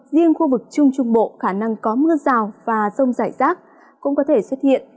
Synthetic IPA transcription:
zi˧ənxu˧vɨ˨˩k̚t͡ɕʊ˧ŋ͡mt͡ɕʊ˧ŋ͡mɓo̰˧˨xaː˧˩na˧ŋkɔ˨˦mɨ˧əzaː˨˩wvaː˨˩zə˧wŋ͡mzaː˧˩jzaː˦˥t̚ | kʊ̰˧˥ŋ͡mkɔ˨˦t̪ʰe˧˩swə˦˥t̚hḭ˧˨ən

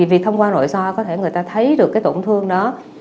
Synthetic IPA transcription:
vi˨˩k̪̚ʰə˧wŋ͡mkwaː˧no̰˧˨jsɔ˧kɔ˨˦t̪ʰe˧˩ŋɨ˨˩əjt̪aː˧t̪ʰə˨˦jɗɨ˨˩əkaː˨˦t̪o̰˧˩ŋ͡mt̪ʰɨ˧əŋɗɔ˨˦

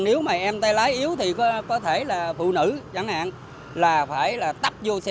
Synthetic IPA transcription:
ne˨˦wmaː˨˩ʔɛ˧mt̪aː˧jlaː˨˦jʔi˨˦əwt̪ʰi˨˩kɔ˨˦kɔ˨˦t̪ʰe˧˩laː˨˩fṵ˧˨nɨ̰˧˥˨t͡ɕa˧˦ŋʔa̰ː˧˨n | laː˨˩faː˧˩jlaː˨˩t̪a˦˥p̚zo˧sɛ˧

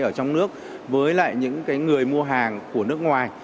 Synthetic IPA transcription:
ʔəː˧˩t͡ɕɔ˧wŋ͡mnɨ˦˥ək̚ | vəː˨˦jla̰ː˧˨jɲɨ̰˧˥ŋkaː˨˦jŋɨ˨˩əjmu˧əɦaː˨˩ŋku˧˩ənɨ˦˥ək̚ŋwaː˨˩j

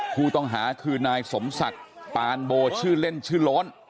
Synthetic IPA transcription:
pʰuː˥˩t̪ɔ˥˩ŋɦaː˩˦kʰɯː˧naː˧jso˩˦msa˨˩k̚paː˧nboː˧t͡ɕʰɯː˥˩le˥˩nt͡ɕʰɯː˥˩lɔː˦˥n

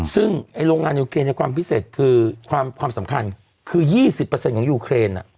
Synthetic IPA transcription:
sɯ˥˩ŋʔa˧jɾoː˧ŋːaː˧njuː˧kʰɾeː˧nɛ˧˥˩kwaː˧mpi˦˥˩seː˨˩t̪̚kʰɯː˧kʰwaː˧mkʰwaː˧msa˨˩˦mkʰa˧n | kʰɯː˧jiː˥˩si˨˩pːə˧se˧nkʰɔː˩˦juː˧kʰɾeː˧nʔa̰˨˩ʔ

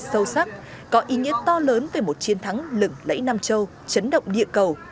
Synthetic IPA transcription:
sə˧wsa˦˥k̚ | kɔ˨˦ʔi˨˦ŋḭ˧˥ət̪ɔ˧ləː˨˦nve˨˩mo˨˩t̚t͡ɕi˨˦ənt̪ʰa˨˦ŋlɨ˧˩ŋlə̰˧˥jna˧mt͡ɕə˧w | t͡ɕə˨˦nɗə̰˧˨wŋ͡mɗḭ˧˨əkə˨˩w

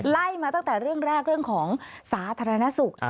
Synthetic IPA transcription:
la˥˩jmaː˧t̪a˥˩ŋt̪ɛː˨˩ɾɯ˥˩əŋɾɛː˥˩k̚ɾɯ˥˩əŋkʰɔː˩˦ŋsaː˩˦t̪ʰaː˧ɾa˧na˦˥su˨˩k̚

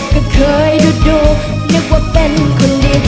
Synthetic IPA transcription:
kɔ˧˩kʰɤː˧˦jduː˧duː˧˩ | nɨ˦˧˥k̚waː˧˩pe˧nkʰo˧ndiː˧˨

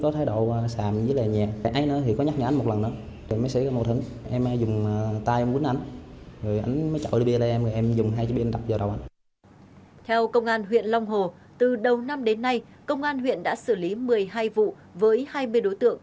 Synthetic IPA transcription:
kɔ˨˦t̪ʰeː˨˦ɗo˧˩˨wsaː˨˩mzɨ˨˦laː˨˩ɲɛː˨˩ʔa˧jnɨ̰˧˦ət̪ʰi˨˩kɔ˨˦ɲa˦˥k̚ɲaː˨˩ʔa˨˦nm˨t̚lə˨˩nːɨ̰˧˦ə | ɗe˨˩məː˨˦sḛ˧˥˦kɔ˧˦mo˨˩t̚hɨ˨˦ŋʔɛ˧mʔaː˧˦zʊ˨˩ŋ͡mt̪aː˧jʔmki˨˦nʔa˧jŋzo˨˩jʔa˧jŋ̟mə˨˦jt͡ɕɔ̰˧˨ɗɨ˧˦ɓi˧əlaː˨˩ʔɛ˧məː˨˩ʔɛ˧mzʊ˨˩ŋ͡mɦaː˧t͡ɕɔ˧˦ɓi˧nɗa˨˩p̚zaː˨˩ɗə˨˩wʔa˧˦ŋ | t̪ʰɛ˧wkə˧wŋ͡mʔaː˧nɦwḭ˧˨ənlɔ˧wŋ͡mɦo˨˩ | t̪ɨ˨˩ɗə˨˩wna˧mɗe˨˦nːa˧j | kə˧wŋ͡mʔaː˧nɦwḭ˧˨ənɗa̰ː˧˥sɨ˧˩li˨˦mɨ˨˩əjɦaː˧jvṵ˧˨ | vəː˨˦jhaː˧jmɨ˧əjɗo˨˦jt̪ɨ̰˧˨əŋ

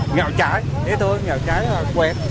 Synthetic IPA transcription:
ŋɔ̰˧˨wt͡ɕaː˧˩˦j | ɗe˨˦t̪ʰo˧jŋɔ̰ː˧˨wt͡ɕaː˧˦jlaː˨˩kwɛ˨˩t̚

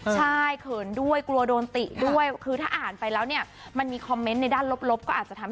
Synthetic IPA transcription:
t͡ɕʰa˥˩jkʰɤː˧˩ndu˥˩əjklu˧ɐdoː˧nt̪i˨˩du˥˩əjkʰɯː˧t̪ʰaː˥˩ʔaː˨˩npa˧jlɛː˦˥wni˥˩ɐ | ma˧nmiː˧kʰɔ˧mːe˦˥nːa˧jdaː˥˩nlo˦˥p̚lo˦˥p̚kɔː˥˩ʔaː˨˩t̪̚t͡ɕa˨˩t̪ʰa˧

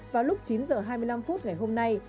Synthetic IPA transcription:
vaː˨˩wlʊ˦˥k͡p̚t͡ɕi˨˦nzəː˨˩ɦaː˧jmɨ˧əjla˧mfu˦˥t̚ŋa˨˩jɦo˧mna˧j

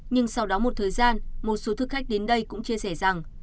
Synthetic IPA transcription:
ɲɨ˧ŋsa˧wɗɔ˨˦mo˨˩t̚t̪ʰəː˨˩jzaː˧nmo˨˩t̚so˨˦t̪ʰɨ˨˩kxa˦˥k̟̚ɗe˨˦nɗə˧jkʊ̰˧˥ŋ͡mt͡ɕi˧əsɛ˧˩za˨˩ŋ

